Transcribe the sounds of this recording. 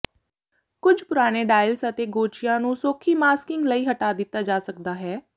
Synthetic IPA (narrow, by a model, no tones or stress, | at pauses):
kʊd͡ʒʱpʊɾaːñeːɖaːɪlsət̪eːɡoːt͡ʃɪjãːnũːsoːkʰiːmaːskɪŋɡləiːɦəʈaːd̪ɪt̪ːaːd͡ʒaːsəkd̪aːɦɛː